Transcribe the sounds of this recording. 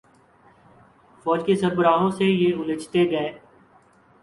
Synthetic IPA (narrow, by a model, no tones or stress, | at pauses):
fɔːd͡ʒkesəɾbəɾaːɦõsejeːʊlɪt͡ʃt̪eɡɐeː